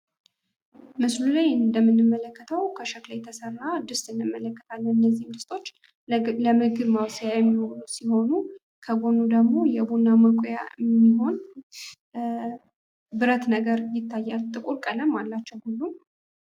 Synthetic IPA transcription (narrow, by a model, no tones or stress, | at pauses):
mɨslulajɨnd̪əmːɨnːɨmːələkːət̪ʰəwkʰəʃəklajt̪ʰəsərːad̪ɨst̪ʼɨnːɨmːələkːə̥t̪ʰalːənɨnːəzːihmd̪ɨst̪ʰʼo̞t͡ʃː | ləmɨɡɨβmawsjajɛmːiho̞ɾusiho̞nu | kʰəɡo̞nud̪əɡmo̞jɛbunːaməkʷʼjaɨmmːiɦo̞n | bɨɾət̪nəɡəɾjɪt̪ʰːajːalt̪ʼɨkʼuɾkʼələmːalːat͡ʃːɛwhulːu